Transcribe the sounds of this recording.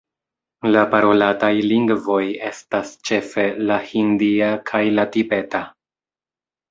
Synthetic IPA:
lapaɾo̞latajliŋɡvo̞je̞stast͡ʃe̞fe̞lahindiakʰajlatibe̞ta

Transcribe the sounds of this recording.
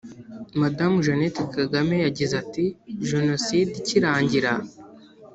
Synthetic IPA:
madamuʒonetekaɡamejaɟizatiʒeno̞sidiciɾaːɲɟiɾa

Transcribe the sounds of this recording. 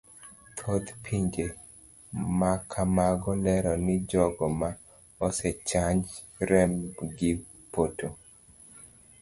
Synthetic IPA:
t̪ʰod̪pʰiɲd͡ʒe | makʰamaɡɔlɛɾɔnɪd͡ʒɔɡɔma | ɔsɛt͡ʃaɲd͡ʒ | ɾɛmɡɪ | poto

